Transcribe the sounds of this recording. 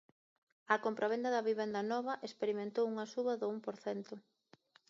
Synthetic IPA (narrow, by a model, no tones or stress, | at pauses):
ɐkompɾaβend̪ɐðɐβiβend̪ɐnɔβɐʔespeɾimẽnt̪owuŋɐsuβɐðʊumpoɾθɛnt̪ʊ